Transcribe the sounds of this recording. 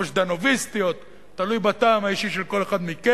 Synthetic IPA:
oʃd̪anovist̪ijo̞t̪ː | alujbat̪aːmaiʃiʃelko̞le̞χad̪mike

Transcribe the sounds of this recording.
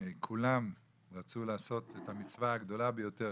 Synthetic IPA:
kʰulam | ʁat͡sulaːso̞t̪et̪amit͡svaːɡd̪o̞labejo̞t̪e

